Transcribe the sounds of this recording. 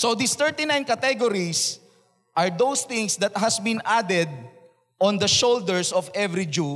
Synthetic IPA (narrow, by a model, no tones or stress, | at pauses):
sod̪ist̪ɛɹt̪inãjnkɐt̪ɛɡɔɾis | ʔɐɹd̪owst̪ɪ̃ŋsd̪ɐt̪̚ɦɐsbɪ̃nad̪ɛd̪̚ | ʔɔ̃nd̪ɐʃold̪ɛɹsɔvɛvɾid͡ʒu